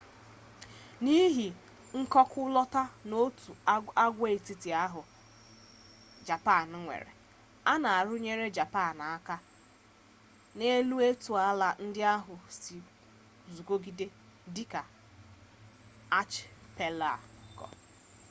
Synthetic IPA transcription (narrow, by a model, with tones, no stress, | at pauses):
ni˦ɦi˨ | ŋ̩˦kɔ˦kʊ˦lɔ˦ta˦no˦tu˨a˦ɡʷe˦e˨ti˦ti˨a˦ɦʊ˨ | d͡ʒa˨pa˦˨n˦ŋʷḛ˨ɾḛ˨ | a˦na˨a˨ɾʊ˦ɲe˦ɾe˦d͡ʒa˨pa˦˨na˨a˦ka˦ | ne˦lu˦e˦tu˨a˦la˨n̩˦dɪ˦a˦ɦʊ˨si˨ | zu˨ko˦ɡi˦de˦ | dɪ˦ka˨ | a˦t͡ʃpe˦la̰˦˨kɔ̰˨